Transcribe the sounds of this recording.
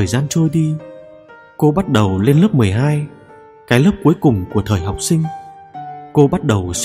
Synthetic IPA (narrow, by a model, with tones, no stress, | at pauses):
əː˨˩jzaː˧nt͡ɕo˧jɗi˧ | ko˧ɓa˦˥t̚ɗə˨˩wle˧nlə˦˥p̚mɨ˨˩əjɦaː˧j | kaː˨˦jləː˦˥p̚ku˨˦jkʊ˨˩ŋ͡mku˧˩ət̪ʰəː˨˩jɦa˨˩wk͡p̚sï˧ŋ̟ | ko˧ɓa˦˥t̚ɗə˨˩ws